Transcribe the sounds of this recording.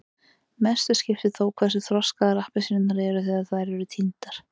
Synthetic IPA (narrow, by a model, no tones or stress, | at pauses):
mɛst̪ʏscɪft̪ɪθoːwkʰvɛɾ̥s̬ʏθɾɔskaðaɾahpɪsɾɪnaɾɛɾʏθiːðaðθaðɾɛɾʏt̪ʰint̪aɾ̥